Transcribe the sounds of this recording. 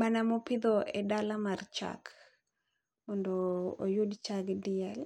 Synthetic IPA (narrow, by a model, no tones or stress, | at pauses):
manamɔpɪd̪ɔɛdalamart͡ʃa̰k | mɔndɔo̰judt͡ʃaɡdɪɛl